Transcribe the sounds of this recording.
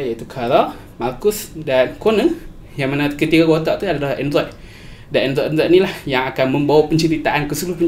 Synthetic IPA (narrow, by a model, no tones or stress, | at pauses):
jait̪ukʰaɾa | markʊsdankɔnə | jaŋmanãkət̪ikaɡot̪aʔt̪uadalahɛndɾɔjʔ | danɛndɾɔʔɛndɾɔjʔ̚nilahjaŋakanmə̃mbawapəɲt͡ʃəɾit̪aʔankəsuluhpə